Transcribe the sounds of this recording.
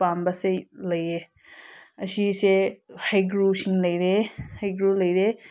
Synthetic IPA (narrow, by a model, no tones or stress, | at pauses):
pambɐselɐje | ɐsisehajɡɾusiŋlɐjɾehajɡɾulɐjɾe